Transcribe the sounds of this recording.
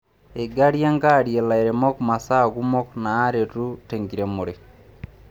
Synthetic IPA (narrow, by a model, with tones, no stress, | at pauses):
eɡa˦ɾja˦ŋɡa˦ɾje˨la˨eɾe˨mɔ˦kma˨sa˦ɣu˦mɔ˦knaː˨˦ɾe˨tu˦teŋɡi˨ɾe˨moɾe